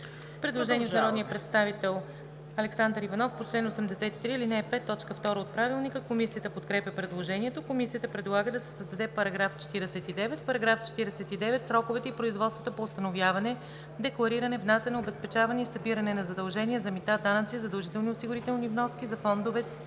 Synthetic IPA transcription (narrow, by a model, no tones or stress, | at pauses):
pɾɛd̪lˠoʒɛniɛot̪ɾɔd̪nijəpɾɛt̪st̪avit̪ɛlˠ | ɐlɛksand̪ɾivɐnɔfpot͡ʃlɛnosɛmd̪ɛsɛt̪it̪ɾiːlinɛːpɛt̪ːɔt͡ʃkəft̪ɔɾəot̪̚pɾavilˠnikəkomisijət̪əpot̪kɾɛpʲjəpɾɛd̪lˠoʒɛniɛt̪okomisijət̪əpɾɛd̪lˠaɡəd̪ɐsɛ̥səzd̪ɐd̪ɛpɐɾɐɡɾaft͡ʃɛ̥t̪iɾɛsɛt̪id̪ɛvɛt̪pɐɾɐɡɾaft͡ʃɛ̥t̪iɾɛsɛt̪id̪ɛvɛt̪sɾɔkovɛt̪ɛipɾoizvɔt̪st̪vɐt̪əpoːst̪ɐnovjavɐnɛ | d̪ɛklˠɐɾiɾɐnɛvnasɛnoobɛspɛt͡ʃavɐnɛisɐbiɾɐnɛnɐzɐd̪ɐlˠʒɛniɛzɐmit̪ad̪anət̪sizɐd̪ɐlˠʒit̪ɛlˠniosiɡʊɾit̪ɛlˠnivnɔsk̟izɐfɔnd̪ovɛ